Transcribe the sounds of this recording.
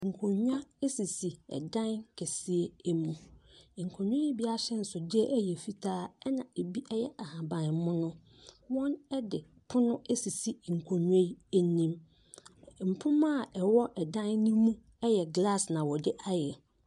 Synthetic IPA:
ŋ̩˨kʰo˨ɲᶣ˦a˦e˦si˨si˨ɛ̰˨dã˦nkʰɛ˨si˦e˦e˦mũ˨ŋ̩˨kʰo˨ɲᶣ˦õ˦i˦bi˦a˦ɕɛ˦n̩˨sʊ˨dɪ˦ɛ˦ʔæ˦jɛ˨fi˦tʰaː˦ɛ˦nã˨e˨bi˦ʔɛ˦jɛ˦ʔa˨hã˨bã˨n˦mʊ̃˦nʊ̃˦ | wɔ̃˦nɛ˦dɪ˨ | pʰʊ˦nʊ̃˦e˦si˨si˨ŋ̩˨kʰo˨ɲᶣ˦ẽ˦i˦e˦nĩ˦m | m̩˨pʰʊ̃˦mã˦˨ʔɛ˨wɔ˦ʔɛ˨dã˦nːĩ˦mũ˦ | ɛ˦jɛ˨ɡla˦˨snã˨wɔ˨dɪ˦ʔa˦jɛ˨

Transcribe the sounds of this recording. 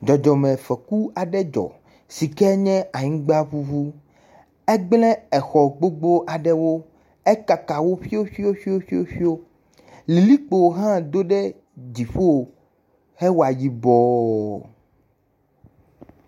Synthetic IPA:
d͡ʒɔ˨d͡ʒɔ˨mɛ̃˨fɛ˨ku˦a˨ɖɛ˦d͡ʒɔ̰˨ | si˨kɛ˦ɲɛ̃˦a˨ɲĩ˦ɡ͡ba˦ɸu˦vu˦ | ɛ˦ɡ͡blɛ̃˦ɛ˨xɔ˨ɡ͡bo˦ɡ͡bo˦ʔa˨ɖɛ˦wo˦ | ɛ˦ka˨ka˨wo˦ɸi˦o˦ɸi˦o˦ɸi˦o˦fi˦o˦ɸi˦o˦ | li˨li˦k͡po˨wɦã˦d̪o˦ɖɛ˦ | d͡ʒi˨ɸo˦˨ | hɛ˦wo˨a˨ji˦bɔ˦

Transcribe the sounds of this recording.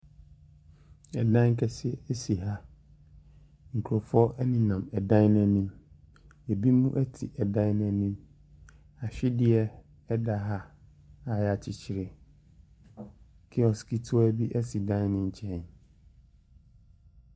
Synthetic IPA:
ɛ˨dã˦ŋ˦kʰɛ˨sɪ˦ɛ˦ɛ˦si˨ɦa˦ | ŋ̩˨kʰu˨ɾo˨fɔ˦nĩ˨nã˨mɛ˨dã˦nnã˨nĩ˦m | e˨bi˦mũ˦ʔɛ˦tʰḭ˨ʔɛ˨dã˦nɛ̃˨nĩ˦m | a˨ɕᶣɪ˦dɪ˦ɛ˦ | ɛ˦da˨ɦa˦ | a˨ja˨t͡ɕʰɪ˨t͡ɕʰɪ˨ɾɪ˨ | kʰɪ˦ɔ˨ski˦tʰʊ˦ɔ˦ɛ˦bi˦ʔɛ˦si˨dã˦nnɪ̃˦ɲ̩˨t͡ɕʰɛ̃˦˨n

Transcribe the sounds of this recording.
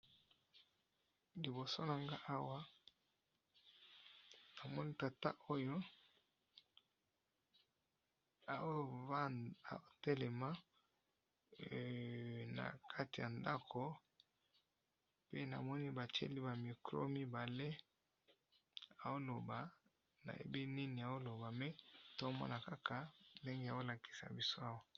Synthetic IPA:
li˨bo˨so˦na˨ŋɡa˦ʔa˦wa˦ | na˨mɔ˦ni˦ta˨ta˦ʔo˦jo˦ | a˨w | a̰˨o˦tɛ˦lɛ˨ma˦˨ | na̰˨kʰa˦ti˨ja˨nda˦kʰo˦ | pe˦na̰˨mɔ˦ni˦ba˨t͡ʃḛ˦li˦ba˨mi˨kʁo̰˦mi˦ba˨le˦ | a˨wo˦lo˨ba˨ | na̰˨jḛ˨bi˦ni˦ni˨a˨wo˦lo˨ba˨me˦to˦mɔ̰˦na˨ka˦kʰa˨nde˦ŋɡe˦˨a˨wo˦la˨ki̥˨sa̰˨bi˦so˦a˦wa˦

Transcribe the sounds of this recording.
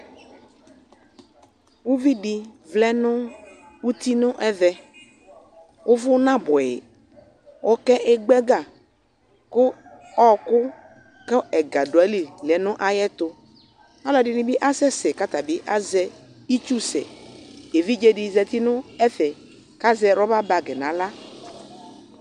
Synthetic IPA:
wu˦vi˦ɖɪ˨vlɛ˦nʊ̃˦ | wu˦t̪i˦nʊ̃˦ʔɛ˦ðɛ˦ | wʔʊ˦vʊ˦nã˦bɔ˨jɪ̰˨ | wʔɔ˦kɛ˦ʔɛ˦ɡ͡bɛ˦ɡa˨ | kʊ˦ | ɔ˦kʊ˦ | kɛ˦ɛ˨ɡa˨dʊ˨ɛ˨˦li˨lɛ˨nʊ̃˦ʔa˦jɛ˦t̪ʊ˦ | ɔ˦lɔ˨dɪ˨nɪ˦bɪ˦ʔa˦sɛ˦sɛ˨ka˦t̪a˨bɪ˦ʔa˦zɛ˦ | i˦t͡ʃu˦sɛ̰˨e˨vi˦d͡ʒe˦dɪ˨zɛ˨t̪i˦nʊ˦ɛ˦θɛ˨ | ka˦zɛ˨ɾɔ˦ba˦ba˨ɡɛ˨nã˨la˦

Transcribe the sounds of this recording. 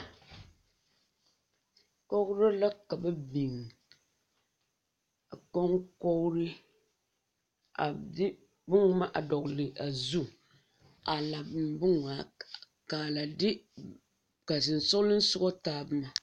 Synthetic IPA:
ko˦kɾɨ˦la˦ka˨bɛ˦bi˨ŋ | a˨ko˦ŋko˦ɾɨ˦ | a˨dɪ˦ | bʊ˦ŋma˦ʔa˨dɔ˨klɪ˨ʔa˨zu˦ | a˨la˨bmbʊ˦ŋa˨ | kaː˨la˨dɪ˦ | ka˨sɨ˨n˨sʊ˦lɨ˦n̩˦sʊ˦ɡɔ˦taː˦bɨ˦ma˨

